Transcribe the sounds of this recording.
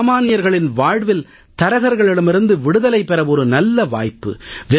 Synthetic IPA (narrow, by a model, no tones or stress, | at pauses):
maːnɪjɐɾɣɐɭɪnʋaːɻʋɪl | t̪ɐɾɐɣɐɾɣɐɭɪɽɯmɪɾɯnd̪ɯʋɪɽɯðɐlɐɪpɛɾɐɔɾɯnɐlːɐʋa̰ːjpːɯ̰ʋɪ